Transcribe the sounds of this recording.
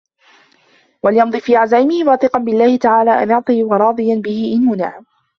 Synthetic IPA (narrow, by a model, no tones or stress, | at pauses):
waljɑmd̪ˤɨːfiːʕazaːʔɪmɪhɪwaːθɨqɑnbɪlːaːhɪt̪aʕaːlaːʔa̰nɑʕt̪ˤɨjwɑɾˤɑːd̪ˤɨjanbɪhɪʔɪnhʊnaː